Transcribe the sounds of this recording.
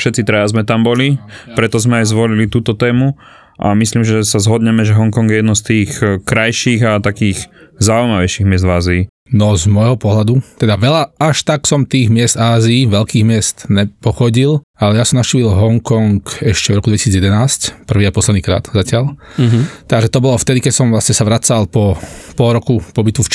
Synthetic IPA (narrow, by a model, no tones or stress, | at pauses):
fʃɛt̪t͡sit̪ɾɛjazmɛt̪ambɔlipɾɛt̪ɔzmɛajzʋɔlilit̪uːt̪ɔt̪ɛːmu | ʔa̰misliːmʒɛsazɦɔd̪ɲɛmɛʒɛɦɔŋkɔŋɡjɛjɛd̪nɔst̪iːxkɾajʃiːɣat̪akiːxzaujmaʋɛjʃiɣmɪɛzd̪vaːziː | nɔzmɔjɦɔpɔɦlad̪ut̪ɛd̪aʋɛʎaaʃt̪aksɔmt̪iːɣmɪɛzd̪aːziːʋɛʎkiːɣmɪɛst̪nɛpɔxɔɟilalɛjasɔmnaʃciːʋilɦɔŋkɔŋkɛʃcɛvɾɔkud̪ʋɛcisiːd͡zjɛd̪ɛnaːscpr̩ʋiːapɔslɛd̪niːkɾa̰ːt̪zacɪaʎ | t̪aɡʒɛt̪ɔbɔlɔft̪ɛd̪ikɛcsɔmʋlasɲɛsaʋɾat͡salpɔpɔlɾɔkupɔbit̪uf